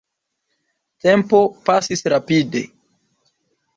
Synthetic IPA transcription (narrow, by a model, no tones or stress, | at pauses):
tempo̞pasisɾapide̞̰